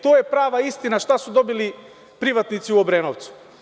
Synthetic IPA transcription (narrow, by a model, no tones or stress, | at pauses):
t̪oːjepɾaːʋaist̪inaʃt̪asud̪o̞bili | pɾiʋat̪nit̪siuobɾeːnoʋt̪su̥